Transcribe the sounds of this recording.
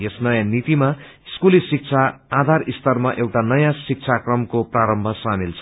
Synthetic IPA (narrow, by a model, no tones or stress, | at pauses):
jesnʌjãnit̪ima | iskulisik̚t͡sʰaːd̪ʱarist̪ʌrmaʔewʈanʌjãsik̚t͡sʰakrʌmkopraɾʌmbʱʌsamilt͡sʰ